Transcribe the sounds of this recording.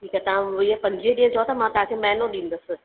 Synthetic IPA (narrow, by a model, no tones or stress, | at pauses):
ʈʰiːkɛt̪ɐʋãiəpɐ̃ɲd͡ʑiəɗiːə̃t͡ɕɐot̪ʰamãt̪ɐɦãkʰemɛɦɪnoɗĩːn̆d̪əsɪ̆